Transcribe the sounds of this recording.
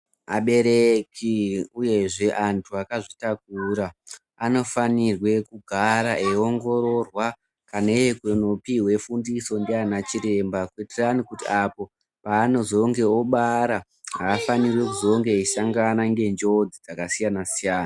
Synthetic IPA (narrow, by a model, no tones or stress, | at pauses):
a̰ɓe̞ɾe̞kiuje̞ʐe̞ʔantʰuakaʐitak̚uːɾa | ano̞fanirwe̞kuɡʱaɾaʔeo̞ŋɡo̞ɾo̞rwa | kanaejekeno̞piwe̞fundiso̞ndeanat͡ʃiɾe̞mbaketeranikutiʔapo̞ | paːno̞zo̞ŋɡe̞oɓaɾa | ɦaːfanirwe̞kuzo̞ŋɡe̞isaŋɡanaŋɡe̞nd͡ʒo̞d͡zid͡zakasijanasijaːna